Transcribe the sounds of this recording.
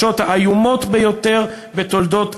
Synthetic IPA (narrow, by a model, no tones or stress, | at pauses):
o̞t̪haajumo̞t̪bejo̞t̪eʁ | bet̪o̞ld̪o̞t̪